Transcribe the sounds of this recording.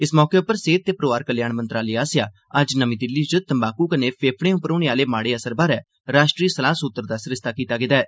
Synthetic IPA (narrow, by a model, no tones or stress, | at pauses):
ɪsmɔːkeːʊpːəɾseːt̪̚t̪eːpɾoːʋaːɾkəljaːɳmə̃nt̪ɾaːliːaːsɪjaː | əd͡ʒnəmĩːd̪ɪlːiːd͡ʒʊt̪əmbaːkuːkəneːpʰeːpʰɽẽːʊpːəɾoːɽeːaːleːmaːɽeːəsəɾbaːɾɛː | ɾaːʃʈɾiːsəlaːsʊt̪ːəɾd̪aːsɪɾɪst̪aːkiːt̪aːɡɪd̪aːɛː